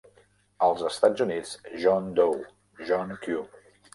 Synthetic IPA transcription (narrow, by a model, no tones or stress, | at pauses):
əlˠzəst̪ad͡zunid͡zʒɔnd̪ow | ʒɔŋkju